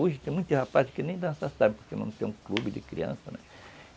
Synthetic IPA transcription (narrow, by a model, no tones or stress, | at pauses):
uʒɪt̪ẽmũj̃t̪ɪhapazɪkɪnẽj̃d̪ɐ̃sasabɪ̃poɾkenɐ̃t̪ḛ̃ũklubɪd͡ʒɪ̰kɾiɐ̰̃sɐnɛ̰